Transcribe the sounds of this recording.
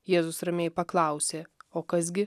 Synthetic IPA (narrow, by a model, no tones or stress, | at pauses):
jeːzʊsɾɐmʲeːjpɐklˠɐʊsʲeːoːkɐs̬ɡʲɪ